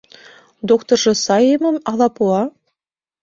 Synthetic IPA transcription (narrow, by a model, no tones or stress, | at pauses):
d̪okt̪ŏrʐɤ̆sɑjemɤ̆mɑlˠɑpuɑ